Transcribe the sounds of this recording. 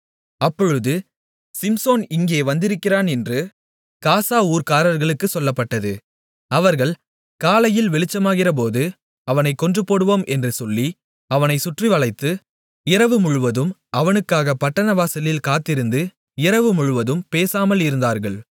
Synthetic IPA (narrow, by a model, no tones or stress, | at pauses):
ɐpːɔɻɯðɯ | sɪmsoːnɪŋɡeːʋɐnd̪ɪɾɯkːɪraːnɛndrɯ | kaːsaːuːɾkaːɾɐɾɣɐɭɯkːɯsɔlːɐpːɐʈːɐðɯ | ɐʋɐɾɣɐɭ | kaːlɐjɪlʋɛɭɪt͡ʃːɐmaːɣɪrɐp̬oːðɯ | ɐʋɐnɐɪkːɔndrɯpːoːɽɯʋoːmʔɛndrɯsɔlːi | ɐʋɐnɐɪsʊʈriʋɐɭɐɪt̪ːɯ | ɪɾɐʋɯmʊɻʊʋɐðɯmʔɐʋɐnɯkːaːɣɐpɐʈːɐnɐʋaːsɐlɪlkaːt̪ːɪɾɯnd̪ɯ | ɪɾɐʋɯmʊɻɯʋɐðɯmpeːsaːmɐlɪɾɯnd̪aːɾɣɐɭ